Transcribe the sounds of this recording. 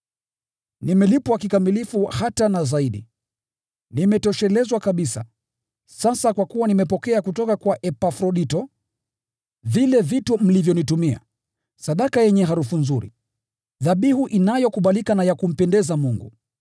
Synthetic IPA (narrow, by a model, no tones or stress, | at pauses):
nimɛlipwakikamilifuhatanazaiɗḭ | nimɛtɔʃɛlɛzwakaɓisa̰ | sasakwakuwanimɛpɔkɛakutɔkakwaʔɛpafɾɔɗitɔ | vilɛvitum̩livjɔnitumia̰ | saɗakajɛɲɛɦaɾufunzuɾḭ | ðaɓihuʔinajɔkuɓalikanajakum̩pɛndɛzamuŋɡṵ